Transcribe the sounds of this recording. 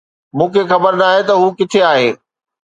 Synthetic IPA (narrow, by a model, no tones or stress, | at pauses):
mũːkʰexɐbəɾnaːɦet̪ɐɦuːkɪt̪ʰeaːɦẽː